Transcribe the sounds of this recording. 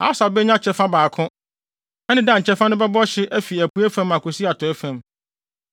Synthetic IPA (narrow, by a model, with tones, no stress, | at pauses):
a̰˨˦sa˨bɛ˦ɲã˦t͡ɕʰɛ˦fã˦baː˨kʰʊ̃˦ | ɛ˦nɪ̃˦dã˦ɲ̩˨t͡ɕʰɛ˦fã˦nʊ̃˦bɛ˦bɔ˦ɕɪ˦ʔæ˦fi˨æ˨pʰu˨æ˦fã˦mã˨kʊ˨si˦a˨tʰʊ˨ɛ˦fæ̃˨m